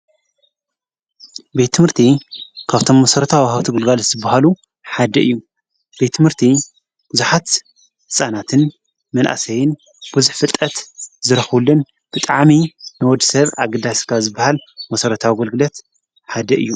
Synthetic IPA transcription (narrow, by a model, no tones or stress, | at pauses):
be̞t̪ʰːɨmhɨɾt̪ʰikʰaβt̪ʰo̞mːɐsɐɾɐt̪ʰawwhaβt̪ʰɨɡɨlɡalɐt̪z̥ɨbːahalu | ħad̪ɐʔɨ̰jːu | b̥e̞t̪ːɨmhɨɾt̪ʰi | b̥ɨzuħat̪ | hɨsʼanat̪ʰɨn | mɐnʔa̰sɐjɪn | b̥uzuħfɨt̪ʼːɐt̪zɨɾɐxulːɨn | b̥ɨt̪ʼaʕminɨwɔd̪isɐβaɡɐd̪askʰazɨbːahalmɐsɐɾɐt̪ʰawiɡolɡɨlɐt̪ | ħad̪ɐʔɨ̰jːu